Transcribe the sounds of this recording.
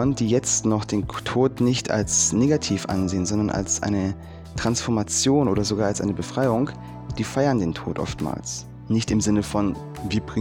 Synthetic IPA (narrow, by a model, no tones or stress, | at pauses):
əndiːjɛt͡stnɔχd̥eːntʰoːtnɪçtʰa̰lsneːɡatʰiːfʔa̰nzeːənzɔndɐnʔa̰lsʔa̰ɪnə | tʁ̥ansfɔɐmat͡sjoːnʔo̰ːɾɐzoɡaːɐalsʔa̰ɪnəbəfʁ̥aɪʊŋ | d̥iːfaɪɐndeːntʰo̰ːtʔɔ̰ftma̰ːls | nɪçtɪmzɪnəfɔn | viːɐbʁɪ